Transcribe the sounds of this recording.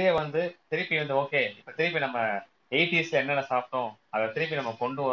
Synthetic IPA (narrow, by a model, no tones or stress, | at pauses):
eːʋɐnd̪ɯt̪ɪɾɪpːiʋɐnd̪ɯoːkeːɪpːɐt̪ɪɾɪpːinɐmːɐ | eɪʈiɛslɛnːɐnɐsaːp̚ʈːõː | ɐðɐt̪ɪɾɪp̬ːinɐmːɐkɔɳɖɯʋɐ